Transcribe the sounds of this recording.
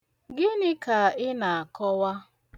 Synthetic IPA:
ɡɪ˦nɪ˦ka˨ɪ˦na˨a˨kɔ˦wa˦

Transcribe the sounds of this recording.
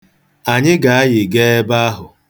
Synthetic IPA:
a˨ɲɪ˦ɡa˨a˦jɪ˨ɡe˦e˦ba˦a˦ɦʊ˨

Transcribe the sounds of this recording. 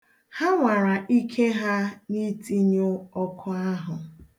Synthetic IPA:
ha˦ŋʷa˨ɾa˨ʔi˦kʰe˦ɦa˦ni˦ti˦ɲo˦ɔ˦kʰʊ˦a˦ɦʊ˨

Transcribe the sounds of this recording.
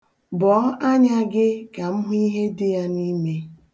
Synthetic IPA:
bɔ˨˦a˦ɲa˦ɡɪ˦ka˨m̩˦ɦʊ˦i˦ɦe˦dɪ˦ja˦ni˦me˦

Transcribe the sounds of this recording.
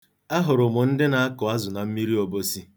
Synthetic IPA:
a˦ɦʊ˨ɾʊ˨mʊ˨n̩˦dɪ˦na˨a˦kʊ˨a˦zʊ˨na˨m̩˦mi˦ɾi˦o˨bo˦si˦

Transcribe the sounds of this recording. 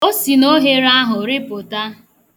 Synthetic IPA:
o˦si˨no˦ɦe˦ɾa˦ɦʊ˨ɾɪ˦pʊ˨ta˦

